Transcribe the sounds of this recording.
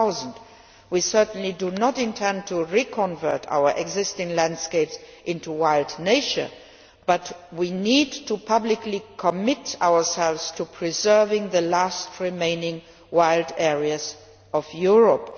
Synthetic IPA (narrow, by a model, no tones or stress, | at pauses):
aʊznd | wisɜ˞tn̩lidunɔtɪ̃ntʰɛ̃ntʰuɹikʰɔ̃nvɜ˞tʰa̰ʊə˞ʔɛɡzɪstɪ̃ŋlæ̃ndskeɪpsʔɪ̃ntuwaɪldneɪʃə̰˞ | b̥ʌtwinidtʰupʰʌblɪklikʰɔmɪtaʊə˞sɛlvstʰupʰɹ̥izɜ˞vɪ̃ŋðəlæstʰɹimẽɪ̃nɪ̃ŋ | waɪldɛɹiəz | ɔvjuɹɔp